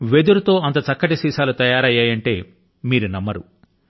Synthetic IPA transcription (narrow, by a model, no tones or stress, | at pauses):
ʋed̪uɾut̪o̞ːɐnt̪ɐt͡ʃɐkːɐʈisiːsaːlut̪ɐjaːɾɐjaːjɐɳʈe̞ː | miːɾunɐmːɐɾu